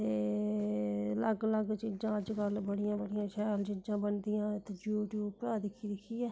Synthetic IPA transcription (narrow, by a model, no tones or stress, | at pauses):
t̪eː | ləɡləɡt͡ʃid͡ʒãːəd͡ʒkəlbəɽɪjãːbəɽɪjãːʃɛːlt͡ʃɪd͡ʒãːbənd̪ɪjãːt̪d͡ʒuːʈjuːbpɾaːd̪ɪkʰːiːd̪ɪkʰːiːjɛː